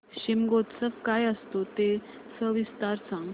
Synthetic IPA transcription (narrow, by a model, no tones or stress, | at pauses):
ɕimɡot̪səfkajəst̪ot̪e | səʋist̪aɾsãŋɡ